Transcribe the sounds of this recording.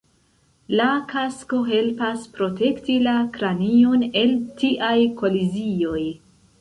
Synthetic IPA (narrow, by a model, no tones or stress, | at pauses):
lakʰasko̞ɦe̞lpaspɾo̞te̞ktilakɾanio̞ne̞ltiʔajko̞lizio̞j